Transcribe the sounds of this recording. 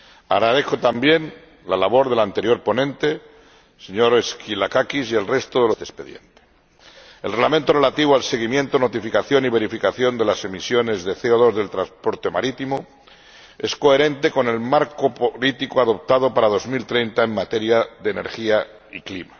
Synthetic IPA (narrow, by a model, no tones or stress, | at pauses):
aɣɾaðe̞xot̪ambje̞n | lalaβo̞ɾðe̞lant̪e̞ɾjo̞ɾpo̞nẽ̞nt̪e̞ | se̞ɲo̞ɾeskilakakisie̞lre̞st̪oðe̞losespeðje̞nt̪e̥ | elrelament̪ore̞lat̪iβ̞oalse̞ɣ̞imje̞nt̪ono̞t̪ifikaθjo̞niβ̞e̞ɾifikaθjo̞nd̪e̞lase̞misjo̞ne̞zðe̞θeoð̞o̞zðe̞lt̪ɾanspo̞ɾt̪e̞ma̰ɾit̪imo | e̞sko̞e̞ɾẽ̞nt̪e̞ko̞ne̞lmaɾkopolit̪ikoaðo̞p̚t̪aðo̞paɾaðo̞zmilt̪ɾejnt̪ae̞mːat̪e̞ɾjaðene̞ɾxia | iklima